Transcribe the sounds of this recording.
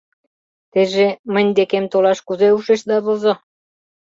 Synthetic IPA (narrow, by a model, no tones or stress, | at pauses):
t̪eʒemə̆nʲd̪ekemt̪olɑʃkuzeuʃĕʃd̪ɑβozɤ̆